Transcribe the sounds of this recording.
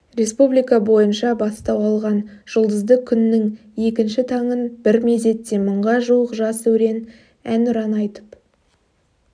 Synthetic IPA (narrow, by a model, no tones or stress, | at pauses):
re̞spublijkɑbo̞jənʃɑbɑst̪ɑwɑlˠʁɑnʒ̥əlˠd̪əzd̪əkʲʰʏnːɪŋ | je̞kʲɪnʃɪt̪ʰɑɴənb̥ɪɾme̞ze̞t̪ːe̞məɴʁɑʒuwəqʒɑsɵwɾe̞n | ænʊɾɑnɑjt̪ə̥p